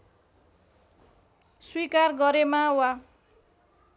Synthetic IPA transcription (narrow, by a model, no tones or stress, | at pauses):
swikarɡʌɾemawa